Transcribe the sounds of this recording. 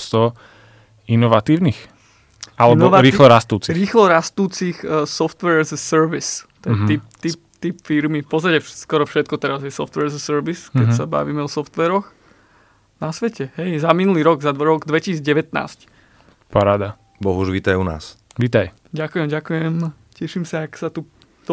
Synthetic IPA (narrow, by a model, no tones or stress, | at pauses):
st̪ɔ | inɔʋat̪iːʊnix | alɛbɔʋɾiːxlɔɾast̪uːt͡siɾiːxlɔɾast̪uːt͡sixsɔft̪ʋɛɾzsɛɾʋist̪ɛɛip̚t̪ipt̪ipfiɾmipɔsacɛskɔɾɔfʃɛt̪̚kɔt̪ɛɾazjɛsɔft̪ʋɛɾzəsəɾʋiskɛsaba̰ʋiːmɛɔsɔft̪ʋɛːɾɔx | nasʋɛcɛɦɛjzaminuliːɾɔɡzad̪ʋɾɔɡd̪ʋɛcisiːd͡zɟɛʋɛt̪na̰ːsc | paɾaːd̪a | bɔɦuʒʋiːt̪ajuna̰ːsʋiːt̪aj | ɟakujɛmɟakujɛm | cɛʃimsaaksat̪u | t̪